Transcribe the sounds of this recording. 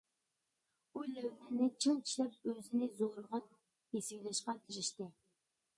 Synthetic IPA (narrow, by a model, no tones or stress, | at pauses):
ulɛwnɪnɪt͡ʃʰiŋt͡ʃʰi̥ʃlɛp̚øzɪnɪzoɾlʁɑn | jesɪɡʲilɛʃqɑkʲʰiʃiʃt̪ɪ